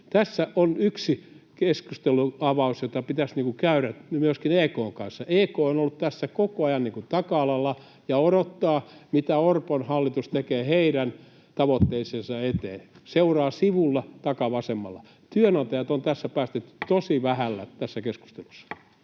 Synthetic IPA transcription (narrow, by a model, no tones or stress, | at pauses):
t̪æsːæʔonyksikeskust̪eluɑʋɑusjot̪ɑpit̪æsniːŋkukæyɾæmyøskineːkoːŋkɑ̰nsːɑeːkoːonolːut̪t̪æsːækokoɑjɑnniŋkut̪ɑkɑɑlɑlːɑ | jɑoɾot̪ːɑːmit̪æorponhɑlːit̪ust̪ekeːheiɾæn | t̪ɑʋot̪ːeisensɑet̪ḛːseurɑːsiʋulːɑt̪ɑkɑʋɑsemːɑ̰lːɑ̰ | t̪yønot̪ɑjɑt̪ont̪æsːæpæːst̪yt̪ːt̪osiʋæhælːæt̪æsːækesku̥st̪elusːɑ̥